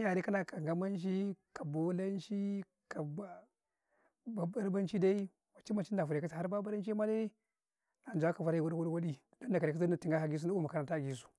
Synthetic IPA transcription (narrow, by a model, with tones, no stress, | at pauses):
ja˨ɾi˦ka˦na˨ka˨ŋɡa˦ma˦nʃ̬i˦ka˨bo˦la˦n˦ʃi˦ | ka˨ | a˦ɾba˦nt͡ʃi˦da˦i˦ | wa˨t͡ʃi˦ma˨t͡ʃi˦n˦da˨vu˨ɾe˨ka˦sa˨a˦ɾba˦ba˦ɾa˦n˦t͡ʃi˦ma˦le˦ | na˨n˨d͡ʒu˨a˦ka˨va˨ɾi˨wa˦di˦wa˦di˦wa˦di˦ | do˦n˦da˨ka˨ɾi˨ka˦a˨ti˨ŋɡa˦ha˨ɡi˦su˦na˦u˦ma˨ka˨na˨ta˦˨ɡi˨su̥˨